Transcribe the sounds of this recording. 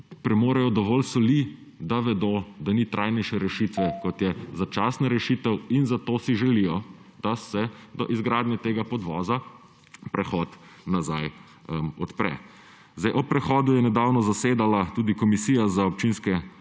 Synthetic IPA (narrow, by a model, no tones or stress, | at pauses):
pɾɛmoːɾɛjɔd̪ɔʋɔlsɔli | d̪aʋɛd̪oːd̪anit̪ɾʔajnɛjʃɛɾɛʃit̪ʋɛkɔt̪jɛzat͡ʃaːsnaɾɛʃit̪ɛwinzat̪oːsiʒɛlijɔd̪̥asɛd̪ɔʔizɡɾaːd̪nʲjɛt̪eːɡapɔd̪ʋɔːza | pɾɛxɔt̪naza̰j | ɔt̪pɾɛ̰ | zd̪ajʔɔpːɾɛxɔːd̪ujɛnɛd̪aːwnɔzaseːd̪alat̪uːd̪ikɔmisiːjazaɔp̚t͡ʃinskɛ